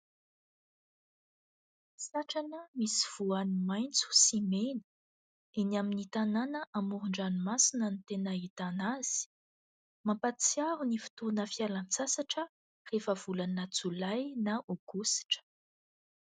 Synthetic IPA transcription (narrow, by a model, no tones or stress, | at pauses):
saʈ͡ʂanəmisiv̥uanimajnt͡su̥simenə̥ | enaminit̪ananəʔamuɾuɳɖ͡ʐanimasinənit̪enəit̪anaz̥i̥ | mampat͡siaɾunifi̥t̪unəfialant͡sasaʈ͡ʂə | refəv̥ulanat͡sulajnaʔoɡ̥usi̥ʈ͡ʂə̥